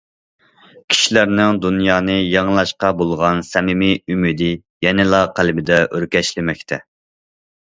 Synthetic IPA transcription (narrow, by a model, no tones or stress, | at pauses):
kʲʰi̥ʃilæɾnɪŋd̪unjɑːnɨjɑŋlˠɑʃqɑbolˠʁɑnsɛmɪmiymid̪ɪ | jɛnɪlˠɑqʰælɪbɪd̪ɛʔøɾkʲɛʃlɪmɛkʲt̪ʰɛ